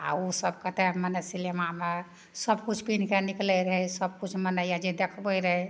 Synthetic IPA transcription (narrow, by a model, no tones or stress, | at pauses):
a̰usəbkət̪emənəsilemame | səbkut͡ʃʰpinkeniklɛɾəɦɛsəb̚kut͡ʃʰmənəjjad͡ʒed̪ekʰbəjɾəɦɛ